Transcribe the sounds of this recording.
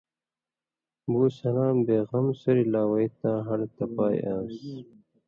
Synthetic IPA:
buːsɐlaːmbeːɣɐmsɐɾilaːwɐit̪ãːɦɐnt̪ɐpaːj̰ʔaːs

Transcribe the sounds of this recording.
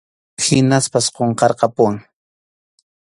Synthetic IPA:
hɪnaspasqoɴqɑɾqɑpʊwaŋ

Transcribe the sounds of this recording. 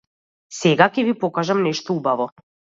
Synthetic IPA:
sɛɡakʲɛvipɔkaʒamnɛʃt̪ɔubavɔ

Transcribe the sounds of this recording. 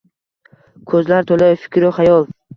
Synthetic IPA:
kʰɵzlaɾt̪ʰolajfɪ̥kʲʰɾɪχajɒlˠ

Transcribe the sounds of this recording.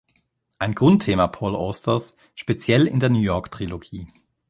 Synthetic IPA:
ʔaɪnɡ̥ʁʊntʰːeːmapʰɔːlʔo̰ːstʰɐs | ʃpet͡sjɛlɪ̰ndeːɐnuːjɔɐktʁ̥iloɡiː

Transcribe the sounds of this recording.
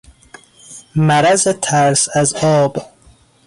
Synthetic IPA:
mæɾæzet̪ʰæɾsæzɒːb

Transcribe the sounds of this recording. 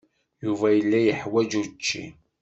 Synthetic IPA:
juvæjəlːæjəħwæd͡ʒut͡ʃːḭ

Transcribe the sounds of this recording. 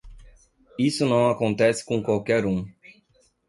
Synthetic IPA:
isʊnɐ̃w̃akõnt̪ɛsɪ̥kõkwawkɛɾũ

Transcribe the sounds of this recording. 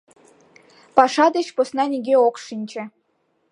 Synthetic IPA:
pɑʃɑd̪ə̆t͡ɕposnɑnʲeɡʲeokʃinʲt͡ɕɘ̆

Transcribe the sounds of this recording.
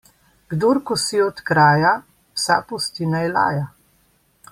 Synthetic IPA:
ɡ̥d̪oɾkɔsiɔt̪kɾaːja | wsa̰pust̪inajla̰ːja

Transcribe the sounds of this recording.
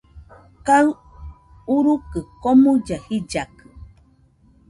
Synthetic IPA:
kaɨ | uɾukɨkomud͡ʒahid͡ʒakɨ

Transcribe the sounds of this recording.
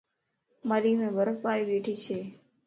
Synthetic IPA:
maɾimẽbəɾəfpaɾibeːʈʰit͡ʃʰeː

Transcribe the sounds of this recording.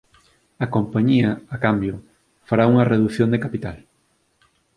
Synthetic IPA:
ɐkompaɲiɐakambjʊ | faɾauŋɐreðuθjõnd̪ekapit̪al

